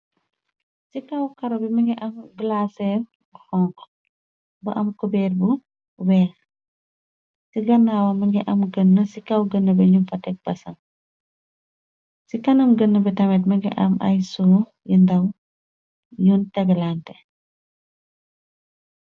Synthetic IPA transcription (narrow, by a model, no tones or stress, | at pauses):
sikɐwkɐɾɐbimɐŋɡiʔɐmɡlaːsɛ | xɔŋk | bɐʔɐmkubɛːt̚bu | wɛl | siɡɐnːawɐmɐŋɡiʔɐmɡənːɐsikɐwɡənːɐbɐɲumfɐtɛk̚b̥ɐsɐm | sikɐnɐmɡənːɐbitɐmɛt̬mɐŋɡḭʔɐ̰mɐ̰jsuː | jindɐw | juːntɛɡɐlantɛ